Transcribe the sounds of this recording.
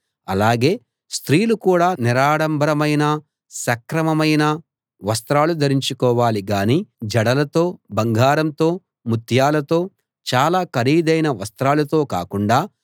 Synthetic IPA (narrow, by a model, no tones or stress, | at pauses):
ɐlaːɡe̞ː | st̪ɾiːlukuːɽaːniɾaːɽɐmbʱɐɾɐmɐjnɐ | sɐkɾɐmɐmɐjnɐ | ʋɐst̪ɾaːlud̪ʱɐɾiɲt͡ʃukɔːʋaːliɡaːniːd͡ʒɐɽɐlɐt̪o̞ːbɐŋɡʱaːɾɐmt̪o̞ː | mut̪ʰjaːlɐt̪o̞ː | t͡ʃaːlaːkɐɾiːd̪ɐjnɐʋɐst̪ɾaːlɐt̪o̞ːka̰ːkuɳɖaː